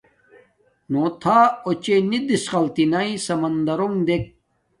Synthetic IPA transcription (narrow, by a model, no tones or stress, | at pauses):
noːt̪ʰaːot͡ɕenid̪isqɐlt̪inaĩsɐmɐnd̪ɐɾoŋd̪ek̚